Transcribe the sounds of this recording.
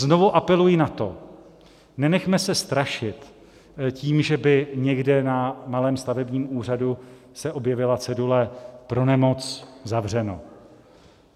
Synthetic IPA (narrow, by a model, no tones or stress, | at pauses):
zno̞vuʔapɛlujɪnat̪o̞ | nɛnɛxmɛsɛst̪ɾaʃɪt̪ | ciːmʒɛbɪɲɛɡdɛnamalɛːmst̪avɛbɲiːmʔuːr̝adu | sɛʔo̞bjɛvɪlat͡sɛdulɛpɾo̞nɛmo̞t͡szavr̝ɛno̞̰